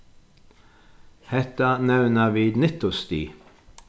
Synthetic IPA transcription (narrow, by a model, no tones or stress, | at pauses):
hɛt̪ənɛʋnəʋiːd̪nɪt̪ʊst̪ḭː